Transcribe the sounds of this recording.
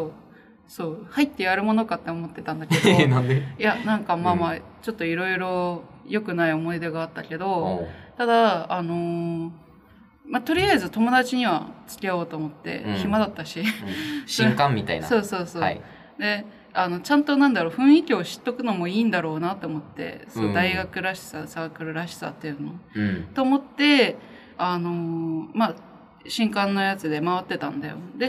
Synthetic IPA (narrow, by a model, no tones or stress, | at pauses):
soː | soːhait̪ːe̞jaɾɯ̟mo̞no̞kat̪ːe̞omo̞t̪ːe̞t̪ãnd̪aked̪nãnd̪ejanãŋkamaːmaːt͡ɕo̞t̪ːo̞iɾo̞iɾo̞jo̞kɯ̟naio̞mo̞id̪e̞ɡaːt̪ːakʲe̞d̪o̞t̪ad̪aːno̞ | mat̪o̞ɾʲiaizɨt̪o̞mo̞d̪at͡ɕiɲ̟iβ̞at͡sɨ̥kʲiaoːt̪o̞ːmo̞t̪ːe̞̰ɕimad̪at̪ːaɕisɕŋkãmmʲːit̪a̰ḭnaso̞ːso̞ːsoa̰ | d̪e̞ | ano̞t͡ɕãnt̪o̞nãnd̪aɾo̞ːɸɯ̟̃ɰ̃ikʲioɕi̥t̪ːo̞kɯ̟no̞mo̞iːnd̪aɾo̞ːnat̪ːe̞omo̞t̪ːe̞̰sonod̪aiɡakɯ̟ɾaɕi̥sasaːkɯ̟ɾɯ̟ɾaɕi̥sa̰t̪ːejɯɯ̟not̪o̞ːmo̞t̪ːe̞ | ano̞ma | ɕĩŋkãnːo̞jat͡sɨd̪e̞maβ̞at̪ːe̞t̪ã̰nd̪a̰jo̞̰d̪e̞